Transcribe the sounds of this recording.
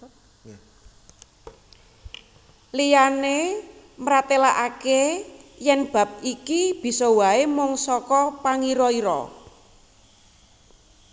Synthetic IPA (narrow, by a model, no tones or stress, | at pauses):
lijane | mɾat̪ela̰ʔakejɛnb̥ä̤p̚ikib̥i̤sɔwaemʊŋsɔkɔpaŋiɾɔiɾɔ̰